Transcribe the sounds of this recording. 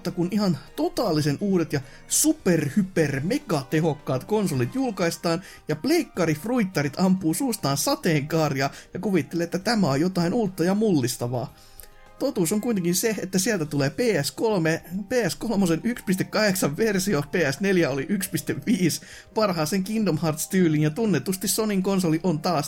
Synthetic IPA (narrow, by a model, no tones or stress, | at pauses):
t̪ːɑkunʔihɑnt̪ot̪ɑːlːisenuːdet̪jɑ | superhypermekɑt̪eɦokːɑːt̪konsolit̪julkɑist̪ɑːn | jɑpleikːɑɾifruit̪ːɑrit̪ʰɑmpːˑuːsuːst̪ɑːnsɑt̪eːŋkɑːrjɑːjɑkuʋit̪ːeleːet̪ːæt̪æmæojjot̪ɑinuːt̪ːɑjɑmulːist̪ɑʋɑ̰ː | t̪ot̪uːsoŋkuit̪eŋkinseet̪ːæsiælt̪æt̪uleːpeːæskolmepeːæskolmosenykspist̪ekkɑheksɑʋʋersiopeːæsneljæoliʔykspist̪eʋʋiːs | pɑrɦɑːseŋkindomhɑrt̪st̪yːlinjɑt̪unːet̪ust̪issoniŋkonsoliʔont̪ɑːs